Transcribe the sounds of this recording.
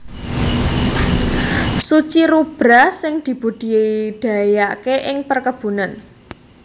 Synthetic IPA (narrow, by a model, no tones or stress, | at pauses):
sut͡ʃiɾub̥ɾasɪŋd̪̥i̤b̥ud̥i̤d̥ä̤jakeʔɪŋpərkəb̥ṳnan